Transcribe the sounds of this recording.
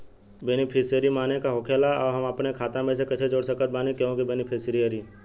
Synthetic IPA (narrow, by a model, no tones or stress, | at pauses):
beːnipʰeːsəɾimaːnekaɦokʰeːlaɔːɾɦəməpnekʰaːt̪ãmẽsekɐt͡ʃʰed͡ʒoːɽsəkət̪̚baːnikeõkibeːnipʰeːsɾiəɾi